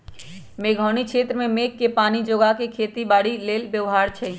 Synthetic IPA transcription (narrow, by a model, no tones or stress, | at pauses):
meːɡʱɔːñikʃʰeːt̪ɾəmẽmeːkːepaːnid͡ʒoɡakekʰeːt̪ibaːɽileːlbjəʋɦaːɾt͡ʃʰɛ